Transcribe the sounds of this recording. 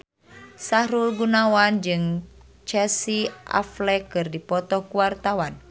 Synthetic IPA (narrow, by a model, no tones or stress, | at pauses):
sahɾulɡunawand͡ʒɨŋ | t͡ʃɛsiʔa̰flɛkɨrdipɔt̪ɔhkuwart̪awan